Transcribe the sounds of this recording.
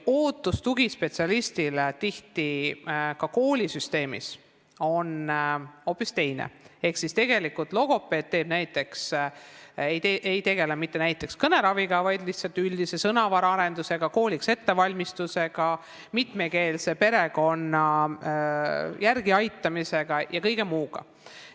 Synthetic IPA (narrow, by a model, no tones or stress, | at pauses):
o̞ːt̪ːˑust̪uɡispe̞t̪siɑlist̪ilet̪iht̪ikɑko̞ːlʲisyst̪e̞ːmḭs | o̞n | o̞ːpːˑist̪e̞jnḛe̞hksist̪e̞ɡe̞likːˑult̪ˑlo̞ɡ̥o̞pːˑe̞ːd̪̚t̪ːe̞ːb̥næjt̪ːˑe̞ks | ejt̪eʔejt̪e̞ɡe̞lemit̪ːe̞næjt̪ːˑe̞kskɤne̞ɾɑviɡ̥ɑvɑjd̪liht̪sɑlt̪ːˑylʲd̪ise̞sɤnɑvɑɾɑɑɾe̞nd̪use̞ɡ̥ɑko̞ːlʲikse̞t̪ːe̞vɑlʲmist̪use̞ɡ̥ɑ | mit̪me̞ke̞ːlse̞pe̞ɾe̞ɡo̞nːɑ | jærɡ̥iɑjt̪ːˑɑmise̞ɡ̥ɑjɑkɤjɡe̞muːɡ̥ɑ̰